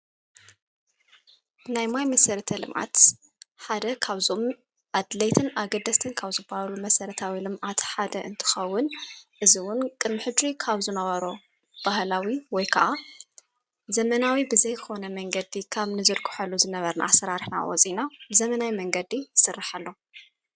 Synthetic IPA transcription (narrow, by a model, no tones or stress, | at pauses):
najmajmɐsɐɾɐt̪ʰɐlɨmʔa̰t̪ | ħad̪ɐkʰaβzom | ʔad̪lɐjt̪ʰɨnaɡɐd̪ɐst̪ʰɨnkʰaβzɨbahɐlumɐsɐɾɐt̪ʰawilɨmʔat̪ħad̪ɐʔɨnt̪ʰɨ̥xɐwːʊnʔɨziwʊnkʼɨmħɨd̪ɾikʰaβzɨnɐβɐɾo | b̥ahlawiwɔjkʰɐʔa | zɐmɐnawibɨzɐjkʰɨxo̞nɐmɐŋɡɐd̪ikʰaβnɨzɨɾɡʊ̥ħalːuzɨnɐβɐɾna̰ːsɾaɾɨħna̰wɔ̰t͡sʼinabɨzɐmɐnawimɐŋɡɐd̪ijɪsɨrːaħalːo̞